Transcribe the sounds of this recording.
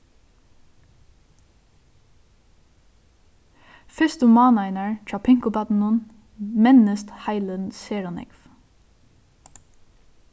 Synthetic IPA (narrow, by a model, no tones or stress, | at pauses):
fɪst̪ʊmɑːnɑɪnəɹt͡ʃɑpʰɪŋkʊbɑt̪n̩ʊn | mɛnəst̪hæɪlənseːɹɔnɪ̰kf